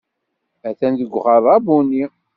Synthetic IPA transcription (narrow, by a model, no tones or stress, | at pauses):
æθænðəɡʷːʁɑðˤɑbuni